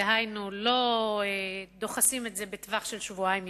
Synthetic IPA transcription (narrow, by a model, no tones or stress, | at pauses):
eɦajnulo̞ed̪o̞χasime̞tze̞be̞t̪vaχʃelʃvuajim